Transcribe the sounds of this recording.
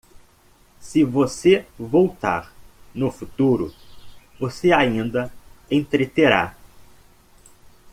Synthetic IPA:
sɪvosevowt̪a̰ɾnʊfut̪uɾʊ̰ | voseaĩnd̪ɐẽt̪ɾet̪eɾa̰

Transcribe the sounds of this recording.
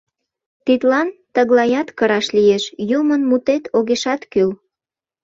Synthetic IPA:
t̪it̪lɑnt̪əɣlɑjɑt̪kəɾɑʃlijeʃjumənmut̪et̪ʰoɣeʃɑt̪kyl

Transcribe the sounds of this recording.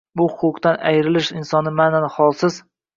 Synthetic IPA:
bʊhʊqʊqt̪ana̰jɾɪlɪʃɪnsɒnɪmananχɒlˠsɪz

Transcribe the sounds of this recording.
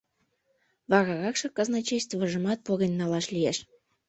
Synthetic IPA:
βɑɾɑɣɑkʃɤ̆kɑznɑt͡ɕejst̪vəʒə̆mɑt̪̚poɣənʲːɑlɑʃlijeʃ

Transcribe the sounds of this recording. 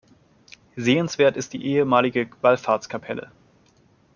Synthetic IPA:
zeːənsv̥eːɐtɪst̚d̥ḭːʔeːəmaːlɪɡəv̥alfaɐt͡sskʰapʰɛlə̰

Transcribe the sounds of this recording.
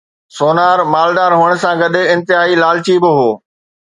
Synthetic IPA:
soːnaːɾmaːlɗaːɾɦuːəɽ̃̆sãɡɐɗ̆ɪ̃nt̪ɪɦaːilaːlɪt͡ɕiːbɪɦoː

